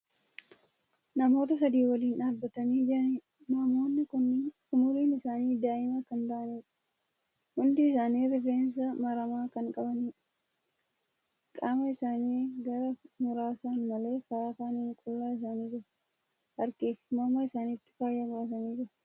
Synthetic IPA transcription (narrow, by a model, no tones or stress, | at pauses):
nɐmo̞ːt̪ɐs̬ɐd̪iːwɐliːnaːbːɐt̪ɐniːd͡ʒɪɾɐnɪ | nɐmo̞ːnːɪkʊnːkʊmʊɾiːnɪsaːniːd̪aːʔɪmɐkɐnt̪aːʔɐniːᶑɐ̥ | hʊnd̪ɪːsaːniːɾɪreːns̬ɐmɐɾɐmaːkɐŋkʼɐbɐniːᶑɐ | kʼaːmɐɪsaːniːɡɐɾɐmʊɾaːsanmɐle̞ːfɐɾaːkaːniːŋkʼʊlːaːɪs̬aːniːd͡ʒɪɾɐ | hɐɾkeːfmɐmɐɪsaːnit̪ːɪ̥faːjːaːmʊɾɐt̪ɐniːd͡ʒɪɾɐ